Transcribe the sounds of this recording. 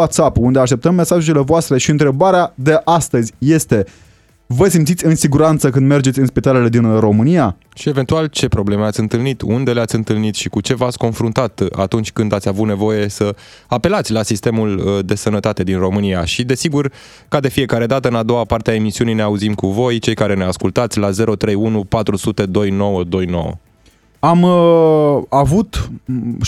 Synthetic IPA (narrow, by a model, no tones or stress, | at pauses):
at̪sapund̪eaʃt̪e̞p̚t̪əmːe̞saʒele̞voast̪ɾe̞ʃiɨnt̪ɾe̞baɾead̪e̞ʔast̪əzʲje̞st̪e̞ | vəsimt̪sit̪ʲɨnsiɡuɾant̪səkɨnd̪me̞rd͡ʒesʲɨnspit̪ale̞le̞d̪inro̞mɨnija | ʃie̞ve̞nt̪ualt͡ʃe̞pɾo̞ble̞meat̪sʲɨnt̪ɨlnit̪und̪e̞leat̪ʲɨnt̪ɨlnit̪ʃikut͡ʃe̞vat̪sʲko̞nfɾunt̪at̪a̰t̪unt͡ʃʲkɨnd̪at̪sʲavut̪ne̞vo̞je̞sə | ape̞lat̪sʲlasist̪e̞muld̪e̞sənət̪at̪e̞d̪inro̞mɨniaʃid̪e̞siɡur | kad̪e̞fije̞kaɾe̞d̪at̪əɨnad̪o̞wapart̪eae̞misiunijne̞auzimkuvo̞jt͡ʃe̞jkaɾe̞ne̞askult̪at̪sʲlaze̞ɾo̞t̪ɾe̞junupat̪ɾusut̪e̞d̪o̞jno̞wəd̪o̞jno̞̰wə̰ | am | avut̪